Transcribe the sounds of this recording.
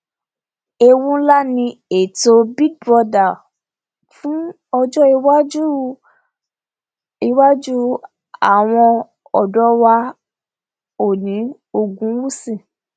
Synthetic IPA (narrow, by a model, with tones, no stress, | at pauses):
e˧wũ˦la˦nĩ˧e˨to˧bi˦ɡ̚bɔ˧da˦˨ | fũ˦ | ɔ˧d͡ʒɔ˦i˧wa˦d͡ʒu˦ | i˧wa˦d͡ʒu˦ | a˨w̃ɔ̃˧ | ɔ˨dɔ˨˦wa˧ | o˦˨nĩ˨˦ | o˦˨ɡũ˨˦wu˦sĩ˦˨